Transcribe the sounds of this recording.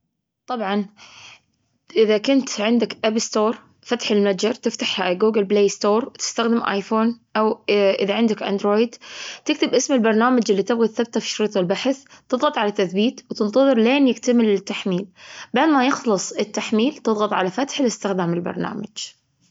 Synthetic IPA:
t̪ˤɑbʕɑn | ʔɪðakʊnt̪ʕɪnd̪akʔabst̪oːɾˤ | fat̪ħɪlmad͡ʒɑɾˤt̪ɪft̪aħhaɡuːɡɪlbleːst̪oːɾˤt̪ɪ̥st̪axd̪ɪmʔa̰jfoːnʔawʔɪðaʕɪnd̪ɪkʔa̰nd̪ɾoːjɪd̪t̪ɪk̚t̪ɪbʔɪsmɪlbɑɾˤnaːmad͡ʒʔɪlːit̪ɪbɣiθab̚t̪afi̥ʃɾiːt̪ˤɑlbaħθt̪ɨðˤɣɑt̪ˤʕalat̪ːaθbiːt̪wt̪ɨnt̪ˤɑðˤɨɾleːnjɪkt̪amɪlɪt̪ːaħmiːlbaʕd̪majɪxlɨsˤɪt̪ːaħmiːlt̪ɨðˤɣɑt̪ˤʕalafat̪ħɪlɪst̪ɪxd̪aːmɪlbɑ̰ɾˤna̰ːmad͡ʒ

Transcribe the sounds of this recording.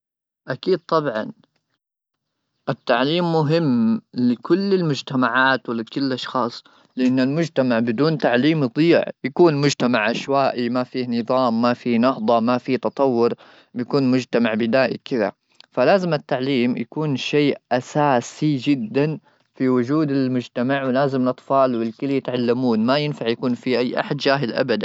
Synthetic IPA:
ʔakiːd̪̚t̪ˤɑbʕɑ̰n | ʔɪt̪ːaʕliːmːʊɦɪmːlɪkʊlːɪlmʊd͡ʒt̪amaʕaːt̪wɪlkʊlːʔɑʃxɑːsˤ | lɪʔanːɪlmʊd͡ʒt̪amaʕbɪd̪uːnt̪aʕliːmd̪ˤiːʕjakuːnmʊd͡ʒt̪amaʕʔaʃwaːʔimafiːnɨðˤɑːmːafiːnɑhd̪ˤɑmafit̪ɑt̪ˤɑwːʊɾ | bjakuːnmʊd͡ʒt̪amaʕbɪd̪aːʔḭkɪða̰ | falaːzɪmat̪ːaʕliːmja̰kuːnʃeːʔʔasaːsid͡ʒɪd̪ːan | fiwʊd͡ʒuːd̪ɪlmʊd͡ʒt̪amaʕwɪlaːzɪmɪlʔɑt̪ˤfɑːlwɪlkɪljɪt̪ʕalːamuːnmajɪnfaʕjakuːnfiʔajːʔa̰ħad̪d͡ʒaːɦɪlʔa̰bad̪a

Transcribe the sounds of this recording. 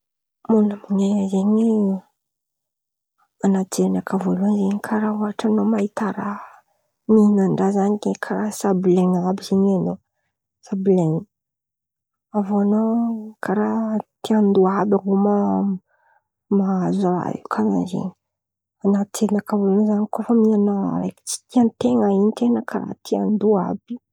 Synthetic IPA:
munaminezeɲi | anat͡s̪eɾinakʰavoluanzeɲikʰaɾauaʈ͡ʂanomait̪aɾa | ninaɳɖ͡ʐazanikekʰaɾasableŋabizeɲano | sableŋi | avoanokʰaɾat̪iand̪uabʲaɦuma | maazaɾa̰ḛkʰaza̰nzḛɲi̥ | anat̪enakavolunzanikofəminanaa̰ɾa̰jki̥t͡si̥t̪iant̪eŋaint̪enəkʰaɾa̰t̪ʰiand̪ua̰b̥i̥

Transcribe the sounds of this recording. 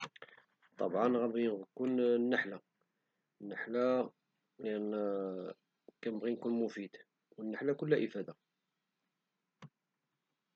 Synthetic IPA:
t̪ˤɑ̰bʕɑnɣæbikunnːəħla | nːəħla | lin | kænəbʁinkunmufid̪ | wənːəħlækʊlːæʔəfæd̪a

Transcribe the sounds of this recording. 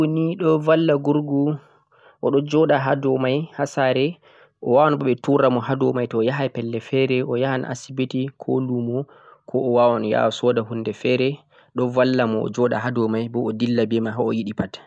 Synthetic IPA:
oniɗɔvalːaɡuɾɡu | ʔɔɗɔd͡ʒɔɗaɦadɔmajhasaɾɛ | ʔɔ̰wawanbɔɓɛtuɾamɔhadɔmajtɔːjaɦajpɛlːɛfɛɾɛʔɔjahan̰ʔa̰sibetikʰo̰lumɔ | kʰɔʔɔwawanja̰ɔsɔdaɦundɛfɛɾɛ | ɗɔvalːamɔɔ̰d͡ʒɔɗa̰hadɔmajbɔɔdilːabɛmaɦaɔjiɗipat

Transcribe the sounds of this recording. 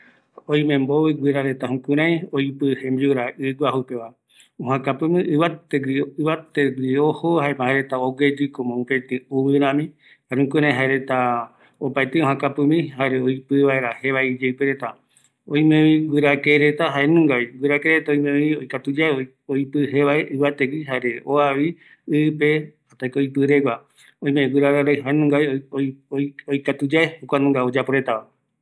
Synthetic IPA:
õj̃mẽmboβɨɡʷwɨɾaɾe̞t̪aɦũkɨ̃ɾ̃ãj̃ojpɨhembiuɾaʔɨɡʷahupeʋa | õhãkapɨ̃mĩʔɨβat̪eɡiɨβat̪eɡɾiohohaemãaɾe̞t̪aoɡed͡ʒikomõũpet̪ɨuβɨɾãmĩ | haɾeũkɨɾ̃ãj̃ɦaeɾe̞t̪a | opaet̪eõɦãkapɨmĩɦaɾeoipɨβaeɾaheβaid͡ʒewpeɾet̪a | oj̃mẽĩɡʷɨɾakeɾet̪aɦaenũŋɡaiɡɨɾakeɾet̪aoj̃mẽiojkat̪ud͡ʒaeo | ojpɨɦeʋaeʔɨβat̪eɡiɦaɾe̞oaʋi | ɨpe̞ | at̪aikojpɨɾeɡʷwa | õj̃mẽwɨɾaɾaɾajɦaenũŋɡajojojkat̪ud͡ʒaehokʷanũŋɡaod͡ʒapoɾet̪aʋa

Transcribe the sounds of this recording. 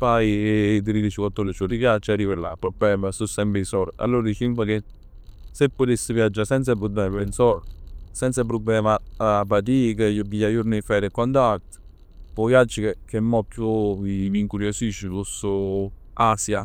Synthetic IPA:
pajd̪iɾid̪it͡ʃikwat̪ːolit͡ʃot̪ipjat͡ʃarivela̰pɾoblɛːmasusːɛmpeisɔɾa̰lːoːɾad̪it͡ʃimkake | sepːot̪esːɪvjad͡ʒːasɛnt̪sapɾubːlɛmapnsɔɾsɛnt̪sap̬ɾubːlɛːmapat̪̬iːkejobijajuɾnifɛːɾekːɔnt̪at̪ | pɔjad͡ʒːikekːɛmːɔpːjuimiŋkuɾjosit͡ʃːipuso | asja

